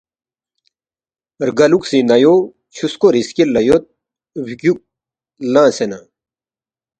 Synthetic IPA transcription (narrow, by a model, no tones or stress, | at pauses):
ɾɡɐluksĩnɐjo | ɕuskoɾiskilːɐjot̪̚ | bikjuk̚ | lãːsena̰